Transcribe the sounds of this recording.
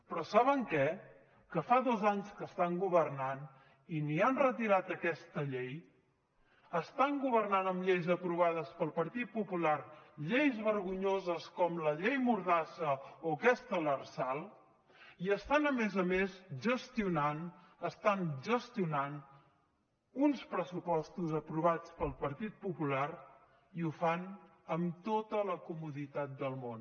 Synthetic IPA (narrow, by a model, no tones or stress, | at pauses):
pɾɔsaβ̞əŋkɛ | kəfaðɔzaɲskəst̪aŋɡuβərnan | inianrət̪iɾat̪əkɛst̪əʎej | əst̪aŋɡuβərnanəmʎejzəpɾuβ̞aðəspəlˠpəɾt̪it̪̚pupulaɾʎejzβəɾɣuɲozəskɔmləʎejmuɾðasəokɛst̪ələrsalˠ | iəst̪anəmezəmezʒəst̪iunanəst̪anʒəst̪iunan | unspɾəsupɔst̪uzəpɾuβ̞at͡spəlˠpəɾt̪it̪̚pupulaɾ | iufan | əmt̪ot̪ələkumuðit̪at̪̚d̪əlˠmon